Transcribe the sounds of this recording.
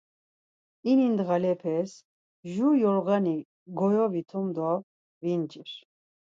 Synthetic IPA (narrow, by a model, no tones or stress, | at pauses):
inind̪ɣalɛpʰɛs | ʒujɔɾɣani | ɡɔjɔvit̪ʰumd̪ɔ | vint͡ʃiɾ